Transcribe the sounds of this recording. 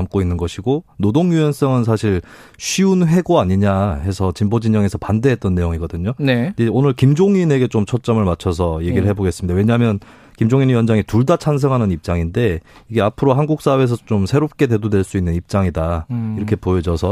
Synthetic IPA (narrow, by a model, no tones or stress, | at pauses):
mk͈oinːɯnɡʌɕʰiɡonodoŋjujʌns͈ʌŋɯns̬ʰaɕʰiɭ | ɕʰɥiunɸe̞ɡoaɲiɲahe̞sʰʌt͡ɕimbod͡ʑiɲʌŋe̞sʰʌpande̞ɦet̚t͈ʌnːe̞joŋiɡʌdɯɲoneionɯɭkimd͡ʑoŋine̞ɡe̞t͡ɕomt͡ɕʰʌtt͡ɕ͈ʌmɯɭmat͡ɕʰʌs̬ʰʌje̞ɡɡiɾɯɭɦe̞boɡe̞s͈ɯmidawe̞ɲaɦamjʌn | kimd͡ʑoŋinjʌnd͡ʑaŋituɭdat͡ɕʰans̬ʰʌŋɦanɯnip̚t͡ɕ͈aŋinde̞iɡe̞apʰɯɾoɦanɡuk̚s͈awe̞s̬ʰʌt͡ɕomsʰe̞ɾop̚k͈e̞dwe̞dodwe̞ɭs͈uinːɯnip̚t͡ɕ͈aŋidaiɾʌkʰepojʌd͡ʑʌsʰʌ